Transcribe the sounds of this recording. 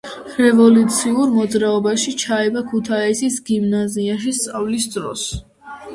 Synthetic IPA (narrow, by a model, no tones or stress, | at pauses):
ɾɛvɔlut̪sʰiuɾmɔd̪zɾaɔbaʃit͡ʃʰaɛbakʰut̪ʰaisisɡimnaziaʃ̬ist̪sʼavlisd̪ɾɔ̰s